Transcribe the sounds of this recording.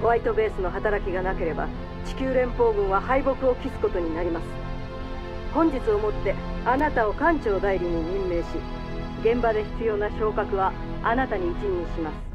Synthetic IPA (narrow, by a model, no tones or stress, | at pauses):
oβait̪o̞be̞ːsɨno̞ɦat̪aɾakʲiɡanake̞ɾe̞ba̰ | t͡ɕi̥kʲɨːɾẽ̞mpo̞ːɡɯ̟̃ɰ̃βahaibo̞kɯ̟o̞kʲisɨ̥ko̞t̪o̞ɲ̟inaɾʲimasɨ̥ | hõ̞ɲ̟d͡ʑit͡sɨo̞mo̞t̪ːe̞anat̪ao̞kãɲt͡ɕo̞ːd̪aiɾʲiɲ̟iɲĩmːe̞ːɕi | ɡẽ̞mbad̪e̞çi̥t͡sɨjo̞ːnaço̞ːkakɯ̟βa | anat̪aɲ̟iːt͡ɕiɲiɲiɕimasɨ̥